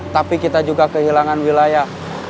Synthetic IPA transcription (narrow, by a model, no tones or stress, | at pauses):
t̪apikit̪ad͡ʒuɡakəɦilaŋanwilajah